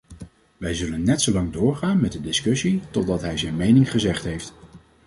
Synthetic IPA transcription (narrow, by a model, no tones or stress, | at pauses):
ʋɛjzɵlənːɛtsowlɑŋdʊːɹχaːnmɛt̚dədɪskɵsitɔdɑtɦɛjzɛjnmejnɪŋχəzɛχtɦejft